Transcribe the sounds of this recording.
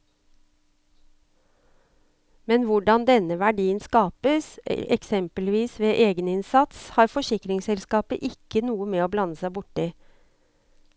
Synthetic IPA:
mɛnʋʊɖɑnd̪ɛnəʋæɖiːənskɑːpəsɛ̰ksɛmpəlʋiːsʋeːʔeːɡənɪnsɑt̪shɑːɾfɔʃɪkɾɪŋsɛlskɑːpə̰ʔɪkənuːəmeːoːblɑnəsæɪbʊʈɪ

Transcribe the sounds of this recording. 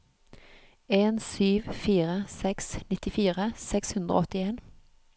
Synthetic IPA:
eːnsyːʋfiːʁəsɛksnɪt̪ɪfiːʁəsɛkshʉnd̪ʁəo̰ɔt̪ɪeːn

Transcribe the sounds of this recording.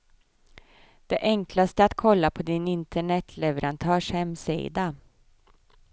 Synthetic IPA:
d̪̥ɛʔɛŋklast̪əat̪kʰɔlːapʰɔd̪ɪnɪnt̪ʰəɳɛt̪ʰlɛvəɾʔant̪ʰœːʂhɛmsḭːd̪a

